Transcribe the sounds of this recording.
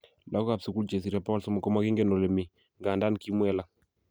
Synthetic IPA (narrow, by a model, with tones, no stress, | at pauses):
la˦kka˨bsu˨ku˦lt͡ʃɛ˨s̬i˨ɾa˨pa˦wɔ˦lsɔ˦ma˨kɔ˦ma˦ki˦ŋɡɛ˦nɔ˨lɛ˨mi˨ | ŋɡa˨nda˦nki˦mwɛ˦la˦